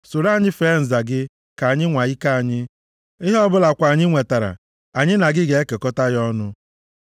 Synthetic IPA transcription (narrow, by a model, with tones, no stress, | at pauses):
so˨ɾa˦˨ɲɪ˦fe˨˦n̩˨za˨ɡɪ˦ | ka˨a˨ɲɪ˦ŋʷa˨i˦ka˦˨a˨ɲɪ˦ | ɪ˦ɦɔ˦bʊ˦la˨kʷa˨ɲɪ˦ŋʷe˨ta˨ɾa̰˨ | a˨ɲɪ˦na˨ɡɪ˦ɡe˨e˦ke˨kɔ˦ta˦ɣɔ˦nʊ˦